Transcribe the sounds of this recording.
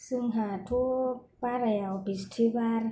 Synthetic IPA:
sɯŋɦat̪ʰu | paɾajawpist̪ʰibaɾ

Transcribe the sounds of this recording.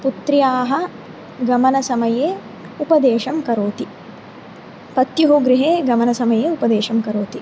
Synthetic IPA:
put̪ɾjaːɦɐ̆ | ɡɐmɐnɐsɐmɐjeː | upɐd̪eːʃɐmkɐɾoːt̪i | pɐt̪juɦuɡɾiɦeːɡɐmɐnɐsɐmɐjeːupɐd̪eːʃɐmkɐɾoːt̪i

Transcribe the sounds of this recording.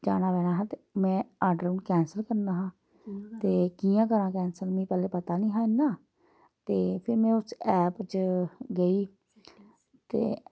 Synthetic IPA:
d͡ʒa̰ːɽ̃aːʋɛːɽ̃aːɦãːt̪eːmɛ̃ːaːɖɾəːnkɛːnsəlkəɾnaːɦãː | t̪eːkiːjãːkəɾãːkɛːnsəlmĩːpɛːleːpət̪aːnĩːɦãːɪnːaː | t̪eːpʰɪɾmɛ̃ːʊsɛːpt͡ʃɡəiː | t̪ḛː

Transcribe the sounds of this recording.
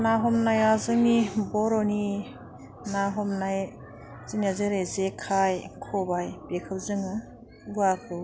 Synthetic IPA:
naɦɔmnajazɯŋibɔɾɔni | naɦɔmnaj | ziniazeɾezekʰajkʰɔbajbekʰɯw̚zɯŋɯ | ɡuakʰɯ

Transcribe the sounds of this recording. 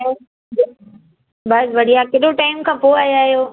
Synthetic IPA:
jo | bɐsʋɐɽijakeɗoʈaːɪmkʰãːpoaːjaːɦijoː

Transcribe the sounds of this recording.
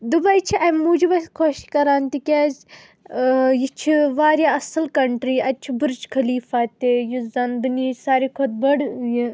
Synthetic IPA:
d̪ubɐjt͡ʃʰiʔɐmuːd͡ʒibɐskʰoːʃkɐɾaːnt̪ikʲez | jit͡ʃʰiʋaːɾʲjaːɐsɐlkɐɳʈɾiːɐt͡ʃʰibɨɾt͡ʃkʰɐliːfaːt̪ejuzɐnbɨnʲisaːɾikʰot̪̚bɐɽji

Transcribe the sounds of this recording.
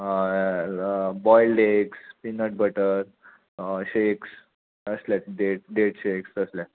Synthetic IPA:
bɔilɖekspinəʈ̚bəʈəɾ | ɕeks | əslaɖeʈ̚ɖeʈɕeksəslja

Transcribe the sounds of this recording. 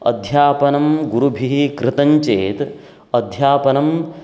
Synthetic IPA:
ɐ̰d̪ʱjaːpɐnɐmɡuɾubʱiɦikɾɪt̪ɐɲt͡ʃeːt̪ | ɐd̪ʱjaːpɐnɐm

